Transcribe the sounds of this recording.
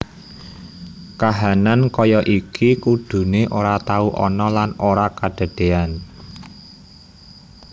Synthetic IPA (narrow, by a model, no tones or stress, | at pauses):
kaɦanankɔjɔʔikʰikuɖ̪̥ṳneʔoɾat̪auʔɔ̰nɔlanoɾakaɖ̥ə̤ɖ̥e̤an